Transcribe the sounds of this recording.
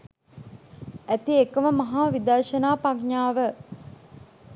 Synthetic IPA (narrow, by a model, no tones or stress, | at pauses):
æt̪iekəməmɐɦaːʋid̪əɾʃənaːpakɲaːʋə